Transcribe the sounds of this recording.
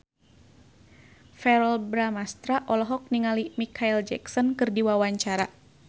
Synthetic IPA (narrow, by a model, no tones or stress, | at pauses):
fɛɾɔlbɾamast̪ɾaʔɔlɔɦɔk̚niŋalimikʰaild͡ʒɛ̰ksɔnkɨrdiwawaɲt͡ʃaɾa